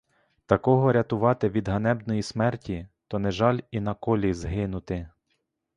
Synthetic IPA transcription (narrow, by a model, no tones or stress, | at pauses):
t̪ɐkɔɦɔɾʲɐt̪ʊʋɑt̪ɪʋʲid̪ɦɐnɛbdnɔjismɛrtʲit̪ɔnɛʒɑlʲinɐkɔlʲizɦɪnʊt̪ɪ